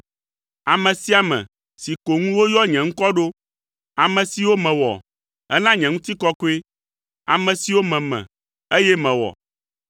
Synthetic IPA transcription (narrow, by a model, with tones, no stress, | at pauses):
a˨mɛ̃˨si˦a˨mɛ̰̃˨ | si˨ko˨ŋũ˦wo˦jɔ˦ɲɛ̃˨ŋ̩̃˦kɔ˦ɖo˦ | a˨mɛ̃˨si˨wo˦mɛ̃˨wɔ̰˨ | ɛ̰˦nã˦ɲɛ̃˨ŋũ˦t̪i˦kɔ˦ko˦e˦ | a̰˨mɛ̃˨si˨˦wo˦mɛ̃˨mɛ̰̃˨ | e˦jɛ˦mɛ̃˨wɔ̰˨